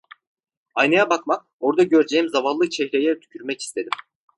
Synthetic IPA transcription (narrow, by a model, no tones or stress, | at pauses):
ajnajabakmak̚ | o̞ɾd̪aɟø̞ɾd͡ʒejimzavalːˠɯt͡ʃʰɛhɾejɛt̪ʰy̥cʰyɾmɛci̥st̪ʰe̞d̪im